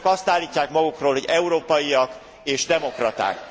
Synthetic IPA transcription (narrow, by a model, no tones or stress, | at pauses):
kɒst̪aːlːiːcːaːkmɒɡukroːlhɦoɟɛuɾoːpɒjiɒk | eːʒd̪ɛmo̞krɒt̪a̰ːk